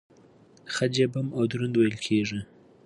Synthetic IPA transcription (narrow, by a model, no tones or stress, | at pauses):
xad͡ʒabamad̪uɾund̪wajəlkʰeʐi